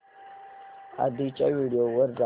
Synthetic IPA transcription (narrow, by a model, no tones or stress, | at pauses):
a̰d̪it͡ʃʼawiɖijowəɾːa